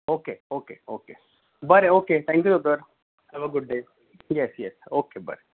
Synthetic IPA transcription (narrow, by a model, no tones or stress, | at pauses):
oːkeoːkeoːke | bɐɾeoːket̪ʰæ̃ŋkjut̪od̪əɾ | hɛʋoɡʊɖ̚ɖe | jɛsjɛsoːkebə̰ɾe